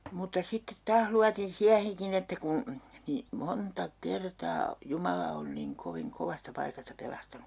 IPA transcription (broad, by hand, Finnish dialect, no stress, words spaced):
mutɑ sitːet tɑːh luɑtin siæheŋkin etːæ kun niː montɑ kertɑː jumɑlɑ on niŋ koʋiŋ koʋɑstɑ pɑikɑstɑ pelɑstɑnu